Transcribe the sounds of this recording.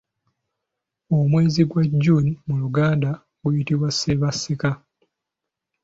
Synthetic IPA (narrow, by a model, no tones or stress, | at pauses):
omwe̞ːziɡwaɟːunimuluɡaːnda | ɡujitiβwaseβasika